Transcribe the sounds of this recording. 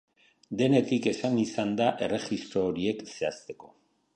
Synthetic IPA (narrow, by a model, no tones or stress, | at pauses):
d̪e̞ne̞t̪ike̞sanisand̪aʔe̞re̞ʝist̪ɾoːɾie̞kse̞ast̪e̞ko̞̥